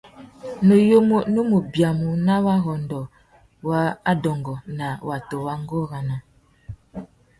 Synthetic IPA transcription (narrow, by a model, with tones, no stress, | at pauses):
no˨jo˦mo˦no˦mo˨bja˨mu˨na˦wa˦ɣɔ˨ndɔ˨ | wa˦a˦dɔ˨ŋɡɔ˨na˨wa˨to˨wa˦ŋ˦ɡɔ˦ɣa˨na˨